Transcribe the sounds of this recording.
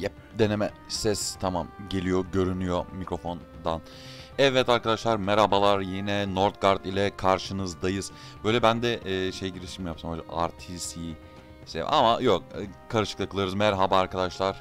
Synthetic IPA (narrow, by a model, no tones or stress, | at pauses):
jɛp̚ | d̪e̞nemɛ | sɛst̪ʰamamɟe̞lʲijo̞ɟø̞ɾynyjo̞micɾo̞fo̞n | d̪an | ɛvːɛt̪aɾkad̪aʃlˠaɾmɛɾhabalˠaɾjinɛnoɾt̪̚ɡaɾd̪ilʲɛkʰaɾʃɯnɯzd̪ajɯz̥ | b̥ø̞jlʲɛbænd̪ɛʔːʃejɟiɾiʃimjapsamolʲɛa̰ɾt̪ʰisi | sḛva̰majokkʰaɾɯʃɯklˠakɯlˠɯɾɯzmæɾɦabaːɾkʰad̪aʃlˠaɾ̥